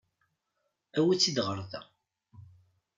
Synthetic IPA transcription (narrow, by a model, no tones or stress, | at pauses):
æwit͡sːid̪ʁəɾˤðæ̰